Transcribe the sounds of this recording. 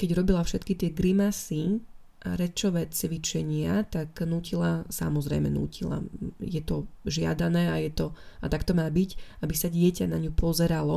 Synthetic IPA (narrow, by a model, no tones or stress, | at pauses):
kɛɟɾɔbilafʃɛt̪kit̪ɪɛɡɾimasi | ʔa̰ɾɛt͡ʃɔʋɛːt͡sʋit͡ʃɛɲɪat̪aknuːcilasa̰mɔzɾɛ̰jmɛ̰nṵːcʰila̰jɛt̪ɔʒɪa̰d̪anɛːajɛt̪ɔat̪akt̪ɔmaːbicabisaɟɪɛcanaɲupʰɔzɛɾalɔ